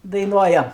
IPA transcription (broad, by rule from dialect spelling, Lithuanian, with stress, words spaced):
dɐɪˈnuɔjɛm